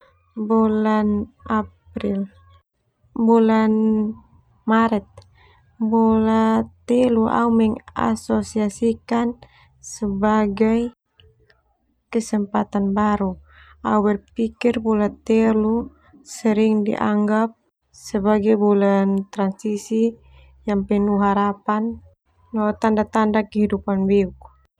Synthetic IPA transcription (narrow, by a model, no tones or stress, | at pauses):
bulanap | ɾil | bulan | maɾɛt̪̚ | bulat̪ɛluʔa̰umɛŋa̰sosiasikan | səbaɡaj | kəsəmpat̪anbaɾu | auwɛrpikirbɔlat̪ɛlu | səɾiŋdḭʔa̰ŋɡap̚ | səbaɡajbulant̪ɾansisi | jaŋpɛnuɦaɾapan | lɔt̪andat̪andakəɦidupanbɛuk